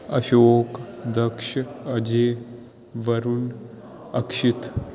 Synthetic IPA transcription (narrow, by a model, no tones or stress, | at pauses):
ɐʃoːkd̪ɐkʂɐd͡ʒeː | ʋɐɾun | ɐkʂit̪